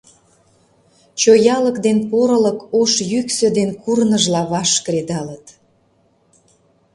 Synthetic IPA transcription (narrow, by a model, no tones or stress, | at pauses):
t͡ɕojɑləkd̪enpoɾələkoʃjyksød̪enkurnəʒlɑβɑʃkɾed̪ɑlət̪